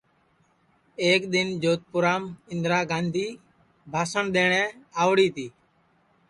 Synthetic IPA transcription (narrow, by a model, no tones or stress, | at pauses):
eːkɗ̪ɪnd͡ʒoːt̪̚pʊɾaːmɪ̃nd̪ɾaːɡãːnd̪ʱiː | bʱaːsəɳɗ̪eːɳ̃ɛ̃ːaːʋɽiːt̪iː